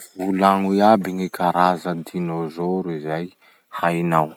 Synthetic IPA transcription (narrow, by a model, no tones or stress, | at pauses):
vulaŋujabiŋikʰaɾazəd̪inozoɾizaj | hajnaw